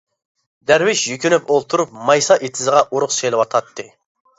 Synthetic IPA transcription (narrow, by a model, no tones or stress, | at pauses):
d̪æɾwɪʃjykʲynypolˠt̪ʰuɾup̚mɑjsɑʔet̪ʰɪzəʁɑʔuɾʊχselˠɪwɑt̪ʰɑt̪ʰːɨ